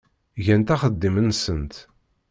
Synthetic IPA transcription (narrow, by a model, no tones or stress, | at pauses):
ʝænt̪æχəd̪ːimənsənt̪